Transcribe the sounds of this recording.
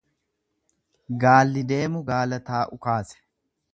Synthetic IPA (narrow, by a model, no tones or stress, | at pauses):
ɡaːlːɪd̪e̞ːmʊɡaːlɐt̪aːʔʊkaːsɛ̥